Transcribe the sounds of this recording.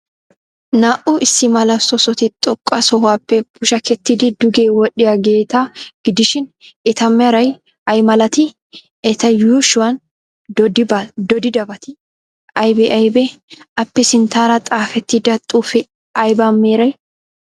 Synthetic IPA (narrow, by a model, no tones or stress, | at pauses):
naːʔʊʔɪsːɪmɐlɐsɔsɔt̪ɪt̪ʼɔkʼːɐsɔhaːpːɛbʊʃɐkɛt̪ːɪd̪ɪd̪ʊɡeːwɔɗɪjaɡe̞ːt̪aɡ̥ɪd̪ɪʃɪnɛt̪ɐmːeɾɐj | ʔɐjmɐlɐt̪ɪ | ɛt̪ɐjuːʃʊwɐn | bd̪ɔd̪ɪd̪ɐbɐt̪ɪ | ɐjbɛʔɐjbɛɐpːɛsɪnt̪aːɾɐt̪ʼaːfɛt̪ːɪd̪ɐt̪ʼuːfɛ | ɐjbamːeːɾɐj